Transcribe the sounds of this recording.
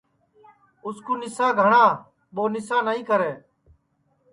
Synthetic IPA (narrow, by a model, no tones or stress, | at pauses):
ʊskuːnɪsaːɡʱəɳaː | ɓoːnɪsaːnaːĩːkəɾeː